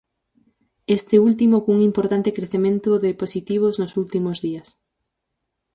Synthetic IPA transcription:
est̪ɪult̪̬imokuŋimpoɾt̪ant̪ekɾeθemẽnt̪ʊðɪposit̪iβ̞oznosult̪imozðiɐs

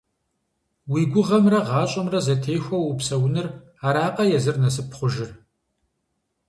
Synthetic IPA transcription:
wiːɡʷʊʁɐmrɐʁɑːɕʼɐmrɐzɐtʰejxʷɐwupsɐwʊnɨr | aːɾaːqʼɐjɛzɨrnɐsɨpʰχʷʊʒɪr

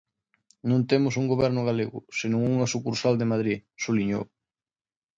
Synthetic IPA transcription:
nõnt̪emʊsuŋɡoβɛɾnʊɣaleɣʊ̰senõŋuŋasukuɾsald̪emaðɾisoliɲo̰

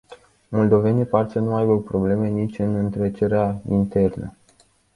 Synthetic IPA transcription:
mold̪o̞ve̞niparsənuajbəpɾo̞ble̞me̞nit͡ʃʲɨnɨnt̪ɾet͡ʃe̞ɾeaint̪e̞rnə̰

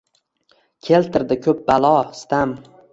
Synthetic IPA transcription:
kʲʰe̞lt̪ʰɪɾd̪ɪkʲʰɵp̚balˠɒst̪am

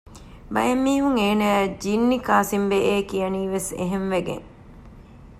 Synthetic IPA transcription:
bɐ̰jɐmːiːɦuŋeːnəd͡ʒinːikaːsimbeʔeːkijɐniːʋesḛɦenʋeɡḛŋ

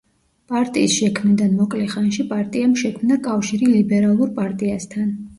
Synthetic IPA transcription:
pʼaɾt̪ʼḭːsʃɛkʰmnid̪anmɔkʼlɛχanʃipʼaɾt̪ʼiamʃɛkʰmnakʼafʃiɾilibɛɾalˠuɾpʼaɾt̪ʼiast̪ʰan

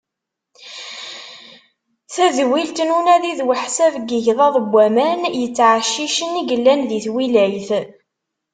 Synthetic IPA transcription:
θæzwilt̪ənunæðiðwəħsævɡəʝðˤɑðˤəbʷːæmænjət͡sːʕaʃːiʃəniʝəlːænðiθwilæjθ

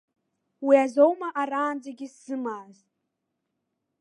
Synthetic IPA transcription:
wiazo̞wmaʔaɾaːnd͡zaɡʲɪsz̥ɨmaːztʼ

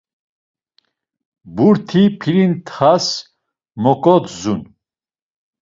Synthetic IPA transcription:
buɾt̪ʰipʰiɾint̪ʰχas | mɔkʼɔt̪zun

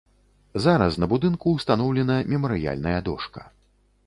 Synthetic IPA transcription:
zaɾɐsnɐbud̪ɨnkuːst̪anɔwlʲɛnɐmʲɛmɐɾɨja̰lʲnɐjɐd̪ɔʂkɐ̥

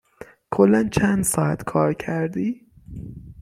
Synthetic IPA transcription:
kʰolːænt͡ʃʰænd̪sɒːæt̪kʰɒːɾcʰæɾd̪iː

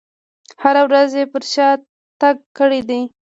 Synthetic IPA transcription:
haɾawɾazjepəɾʃɑ | t̪aɡ̚kəɽid̪i

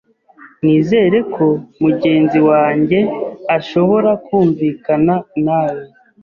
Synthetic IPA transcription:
niːze̞ːɾe̞kʰo̞muɟe̞ːnziwaːɲɟe̞aʃo̞βo̞ɾakuːɱviːkananaːjo

